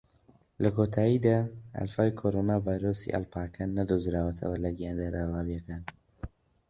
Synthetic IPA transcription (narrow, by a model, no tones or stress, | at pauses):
lɐkʰot̪ʰaːjid̪aːɐ̰lfaːwjkʰoɾonaːvaːjɾoːsḭʔa̰lpʰaːkʰanːɐd̪uzɾaːwɐt̪ʰɐ̰wɐlɐɡijaːnd̪aɾalaːwijɐkaːn